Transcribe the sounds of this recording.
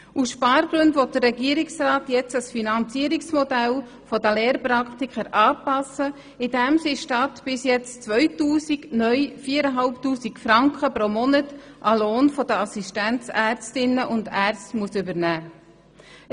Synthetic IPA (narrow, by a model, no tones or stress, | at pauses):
usʃpɑːɾɡɾʉndʋɔt̚d̥ərːɛɡiːəɾɪksrɑːtjɛt͡sɑsfinɑnt͡siəɾɪksmɔdɛl | fɔdəleːɾpɾɑktikχəɾʔɑːpɑsə | ɪdɛmsiʃtɑtb̥ɪsjɛt͡st͡sʋœʏtuːsiknœʏfiːəɾəɦɑlptuːsikfɾɑŋkχəpɾomɔnət | ʔɑloːnfɔdəɑsistænt͡sæɾt͡stɪnəʔʊndæːrt͡stmuəsʏbəɾnæː